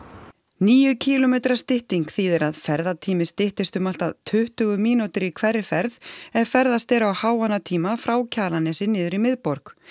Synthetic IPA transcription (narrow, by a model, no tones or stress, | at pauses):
niːjʏcʰiːlɔmɛːt̪ɾḁst̪ɪht̪iŋkθiːðɪɾaðfɛɾðat̪ʰiːmɪst̪ɪht̪ɪst̪ʏmal̥t̪aðt̪ʰʏht̪ʏɣʏmiːnut̪ɪɾikʰvɛrːɪfɛɾðɛðfɛɾðast̪ɛɾawhaːwanːat̪ʰiːmafɾaːwcʰaːlanɛsɪnːɪːðʏɾimɪðpɔɾk